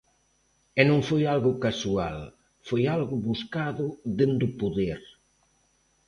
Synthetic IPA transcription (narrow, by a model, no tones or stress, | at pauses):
ɛnõŋfojalɣʊkasual | fojalɣʊβuskaðʊðend̪ʊpoðeɾ